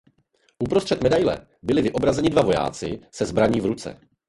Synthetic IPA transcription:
ʔupɾostr̝̥ɛt̪mɛdajlɛ̰ | bɪlɪvɪʔo̞bɾazɛɲɪdvavo̞ja̰ːt͡sɪ̰sɛzbɾaɲiːvɾut͡sɛ̰

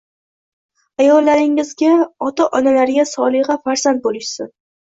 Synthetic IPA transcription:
ajɒlːaɾɪŋɪzɡʲaɒt̪aʔɒnalaɾɪɡʲasɒlˠɪʁɑfaɾz̥ant̪̚bolɪʃsɪn

